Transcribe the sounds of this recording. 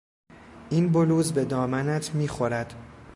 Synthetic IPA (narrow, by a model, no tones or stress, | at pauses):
ʔiːnboluːzbe̞d̪ɒːmænæt̪ʰmiːxo̞ɾæd̪̥